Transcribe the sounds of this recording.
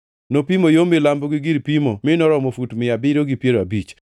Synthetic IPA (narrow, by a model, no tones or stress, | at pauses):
nopimojomɪlamboɡiɡiɾpimomɪnɔɾɔmofutmɪabɪɾoɡipjeɾoabit͡ʃ